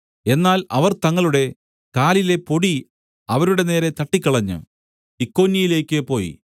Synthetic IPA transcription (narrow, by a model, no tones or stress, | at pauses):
e̞nːaːlɐʋɐrt̪ɐŋːɐɭuɽe̞ | kaːlile̞po̞ɽi | ɐʋɐɾuɽe̞ne̞ːɾet̪ɐʈːikʲːɐɭɐɲːɨ̰ | ikːo̞ːnːijile̞ːkʲːɨpo̞ːjḭ